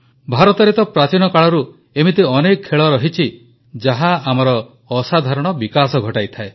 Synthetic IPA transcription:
bʱaɾɔt̪ɔɾet̪ɔpɾat͡ʃinɔkaɭɔɾu | emit̪iɔnekɔkʰːeɭɔɾɔɦit͡ʃʰi | d͡ʒaɦaamɔɾɔː | sad̪ʱaɾɔɽ̃ɔbikasɔɡʱɔʈajt̪ʰae

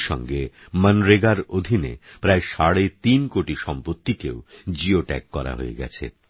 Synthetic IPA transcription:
ʃɔ̰ŋɡe | mənɾeɡaɾod̪ʱinḛpɾaeʃaɽet̪inkoʈiʃɔmpot̪ːikeod͡ʑioʈɛ̰kːɔɾa̰ɦo̰ḛɡɛ̰t͡ɕʰḛ

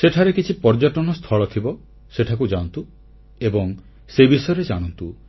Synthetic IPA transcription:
seʈʰaɾekit͡ʃʰipɔɾd͡ʒɔʈɔnɔst̪ʰɔɭɔt̪ʰibɔ | seʈʰakud͡ʒant̪u | ebɔŋ | sebisɔjɔɾed͡ʒaɽ̃ɔnt̪u

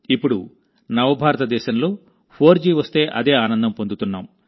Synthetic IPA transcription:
ipːuɽu | nɐʋɐbʱaːɾɐt̪ɐd̪ɛːʃɐmlo̞ː | pʰo̞ːɾd͡ʒiːʋɐst̪e̞ːʔɐ̰d̪e̞ːaːnɐnd̪ɐmpond̪ut̪unːaːm

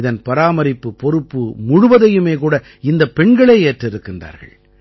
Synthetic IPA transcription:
ɪðɐnpɐɾaːmɐɾɪpːɯpːɔɾɯpːɯmʊɻʊʋɐðɐjɯmeːk̬uːɽɐ | ɪnd̪ɐpːɛɳɡɐɭeːeːʈrɪɾɯkːɪnda̰ːɾɣɐ̰ɭ

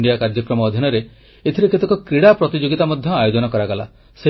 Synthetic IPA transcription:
ɳɖijakaɾd͡ʒɔkɾɔmɔːd̪ʱinɔɾe | et̪ʰiɾeket̪ekɔkɾiɽapɾɔt̪id͡ʒoɡit̪amɔd̪ʱjɔajod͡ʒɔnɔkɔɾaɡɔla̰ | se

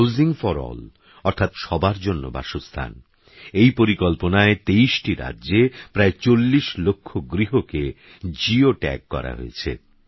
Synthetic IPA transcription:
wziŋfɔɾɔ̰l | ɔɾt̪ʰat̪ʃɔbaɾd͡ʑonːo̰ba̰ʃost̪ʰa̰n | ejpoɾikɔlponaet̪eiʃʈiɾa̰dːd͡ʑepɾaet͡ɕolːiʃlokʰːoɡɾiɦoke | d͡ʑioʈɛ̰kːɔ̰ɾa̰ɦo̰et͡ɕʰḛ

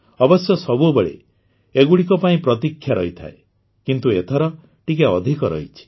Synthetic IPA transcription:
ɔbɔsjɔsɔbubeɭḛ | eɡuɽik̬ɔpaĩpɾɔt̪̬ikʰːjaɾɔɦit̪ʰa̰e | kint̪uet̪ʰɔɾɔ | ʈik̬aɔd̪ʱikɔɾɔ̰ɦit͡ʃʰi̥

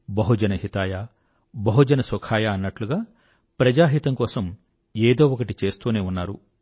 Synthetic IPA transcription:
bɐɦud͡ʒɐnɐɦit̪aːja | bɐɦud͡ʒɐnɐsɔkʰaːjɐːnːɐʈluɡaː | pɾɐd͡ʒaːɦit̪ɐŋkɔːsɐm | eːd̪o̞ːɔkɐʈit͡ʃe̞ːst̪uːne̞ːunːaːɾṵ

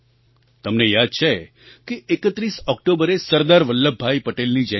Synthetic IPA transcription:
t̪əmnejad̪̚t͡ʃʰe | keːkət̪ɾisɔk̚ʈobəɾesəɾd̪aɾʋəlːəbʱːajpəʈelnid͡ʒɛ

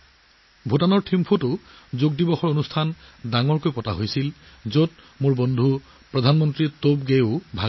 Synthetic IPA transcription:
bʱutanɔɹtʰimpʰutʊ | zoɡ̚dibɔxɔɹonustʰandaŋɔɹkojpɔtaɦojsil | zot̚ | mʊɹbondʱu | pɹɔdʱanmɔntɹitobɡeʊbʱa

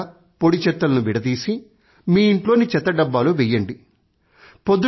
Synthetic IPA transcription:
poɽit͡ʃɛt̪ːɐlɐnuʋiɽɐd̪iːsi | miːiɳʈlo̞ːnit͡ʃɛt̪ːɐɖɐbːaːloːʋɛjːɐɳɖi | pod̪u

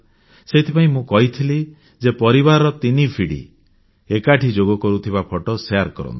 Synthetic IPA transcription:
seit̪ʰipaĩmũkɔɦit̪ʰili | d͡ʒepɔɾibaɾɔt̪inipʰiɽḭ | ekaʈʰid͡ʒoɡɔkɔɾut̪ʰiβapʰɔʈɔseaɾkɔɾɔ̰nt̪i̥

